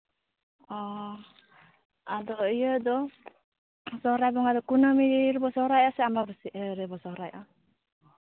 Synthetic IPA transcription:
ɔ | ad̪ɔijəd̪ɔ | sɔɾajbɔŋad̪ɔkunɔmiɾiɾbɔsɔɾajasɛamabəsiʔəɾɛbɔsɔɾajʔa

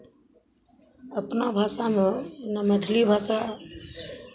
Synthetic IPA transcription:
əpnabʱaːsamẽnəməd̪ʱlibʱaːsa

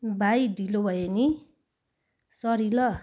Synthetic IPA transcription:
bʱajdʱilobʱʌjeni | sʌɾilʌ

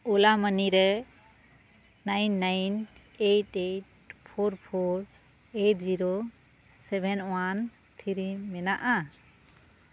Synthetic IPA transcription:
ulaməniɾɛ | najnːajn | eʈeʈ̚ | pʰoɾpʰoɾ | eʈ̚ziɾo | sɛbʱɛnwan | t̪ʰiɾimɛnaʔa

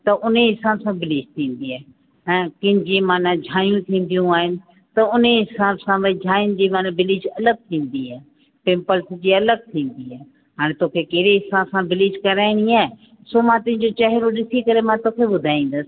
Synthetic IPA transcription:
t̪ɐʔʊneɦɪsaːbsãbɪlɪːd͡ʑt̪ʰĩːn̆d̪iaːɦ | ɛ̃ːkɪ̃ɦɲd͡ʑimaːnad͡ʑʱaːjũt̪ʰĩːn̆d̪ijũaːɦɪnɪ̆ | t̪ɐʊneɦɪsaːbsãʋɐd͡ʑʱaːjənɪ̆d͡ʑimaːnabɪlɪd͡ʑɐləɡ̚t̪ʰĩːn̆d̪iaː | pɪ̃mpəlsd͡ʑiɐləɡ̚t̪ʰĩːn̆d̪iaːɦ | ɦaːɽ̃t̪oːkʰekeɦɽeɦɪsaːbsãbɪlɪːd͡ʑkɐɾaːɪɽ̃iaːɦ | soːmãt̪ʊ̃ɦɪ̃ɲd͡ʑot͡ɕɐɦɪɾoɗɪsikɐɾemãt̪oːkʰeɓʊd̪ʱaːĩːn̆d̪əsɪ̥̆

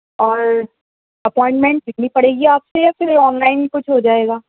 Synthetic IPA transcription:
ɔːɾ | ɐpɔːɪ̃ɳʈmɛ̃ɳʈɪnĩpɐɽeːɡiaːpsejaːfʰɪɾɔːnlaːɪnkʊt͡ʃʰɦoːd͡ʒaːeːɡaː

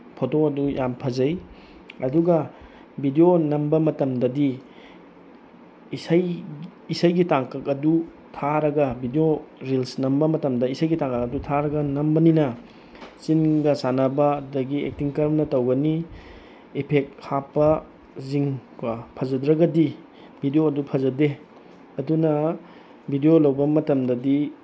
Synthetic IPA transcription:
pʰotoɐdujampʰɐzɐj | ɐduɡɐ | bʱidionɐmbɐmɐtɐmdɐdi | sajisajɡitaŋkʰɐkɐdu | tʰaɾɐɡɐbʱidioɾilsnɐmbɐmɐtɐmdɐisajɡitaŋkʰɐkɐdutʰaɾɐɡɐnɐmbɐninɐ | t͡ʃinɡɐsanɐbɐːdɐɡiḛk̚tiŋkɐɾmnɐtɐwɡɐni | ipʰek̚hapːɐ | ziŋkapʰɐzɐdɾɐɡɐdi | bʱidijoɐdupʰɐzɐde | ɐdunɐ | bʱidiolɐwbɐmɐtɐmdɐdi

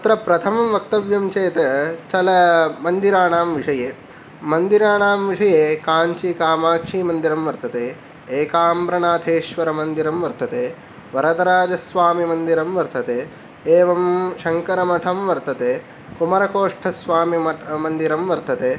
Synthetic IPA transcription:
ɐt̪ɾɐpɾɐt̪ʰɐmɐmʋɐk̚t̪ɐʋjɐmt͡ʃeːt̪ɐt͡ʃɐlɐmɐnd̪iɾaːɳaːmʋiʂɐjeː | mɐnd̪iɾaːɳaːmʋiʂɐjeːkaːɲt͡ʃikaːmaːkʂiːmɐnd̪iɾɐmʋɐɾt̪ɐt̪eː | eːkaːmbɾɐɳaːt̪ʰeːʃʋɐɾɐmɐnd̪iɾɐmʋɐɾt̪ɐt̪eː | ʋɐɾɐt̪ɐɾaːd͡ʒɐsʋaːmimɐnd̪iɾɐmʋɐɾt̪ɐt̪eː | eːʋɐmʃɐŋkɐɾɐmɐʈʰɐmʋɐɾt̪ɐt̪eː | kumɐɾɐkoːʂʈʰɐsʋaːmiɐmɐnd̪iɾɐmʋɐɾt̪ɐt̪eː

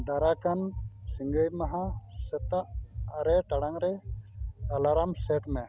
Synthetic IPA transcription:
d̪aɾakɐnsiŋɡəjmɐɦãsɛt̪aʔːɾɛʈɐɽaŋɾɛ | ɐlaɾamseʈmɛ̃

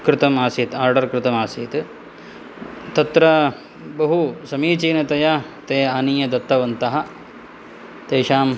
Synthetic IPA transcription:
kɾɪt̪ɐmaːsiːt̪aːɾɖɐɾkɾɪt̪ɐmaːsiːt̪ | t̪ɐt̪ɾɐ | bɐɦusɐmiːt͡ʃiːnɐt̪ɐjaːt̪eːaːniːjɐd̪ɐt̪ːɐʋɐnt̪ɐɦɐ̆ | t̪eːʃaːm

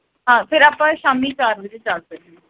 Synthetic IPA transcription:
ɦãːpʰɪɾaːpãːʃaːmiːt͡ʃaːɾʋɪd͡ʒt͡ʃalsək̚e

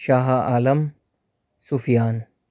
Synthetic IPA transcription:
ʃaːɦaʔaːlɐm | sufijaːn

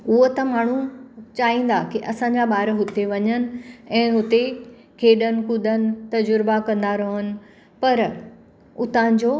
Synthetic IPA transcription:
ʊɦot̪ɐmaːɳ̤ut͡ɕaːĩːn̆d̪akiʔɐsãɲd͡ʑaɓaːɾɦʊt̪eʋɐɲənɪ̆ɛ̃ːɦʊt̪e | kʰeːɗənɪ̆kʊd̪ənɪ̆t̪ɐd͡ʑʊɾbakɐ̃nd̪aɾɐɦənɪ̆ | pɐɾ | ʊt̪aːn̆d͡ʑoː

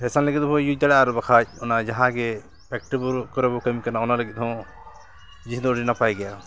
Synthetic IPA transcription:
hɛsanləɡit̪̚bʰɔjuc̚d̪aɽaaɾɔbakʰac̚ɔnad͡ʒaɦãɡɛ | pɛk̚ʈibɔɾkɔɾɛbɔkamikanaɔnaləɡit̪̚hɔ̃ | d͡ʒisd̪ɔɔʈinapajɡɛja

